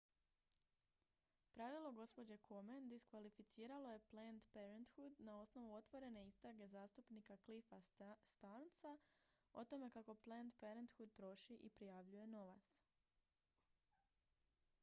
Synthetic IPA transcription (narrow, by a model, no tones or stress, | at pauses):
pɾaʋilˠo̞ɡo̞spo̞d͡ʑe̞kʰomend̪iskʋalifit̪siːɾalo̞je̞plend̪peɾent̪xud̪nao̞sno̞ʋuo̞t̪ʋo̞ɾe̞ne̞ist̪ɾaɡe̞zaːst̪upnikaklifast̪ant̪sao̞t̪o̞me̞kako̞plend̪peɾent̪xud̪̚t̪ɾo̞ʃiʔipɾijaʋʎuje̞no̞ʋa̰t̪s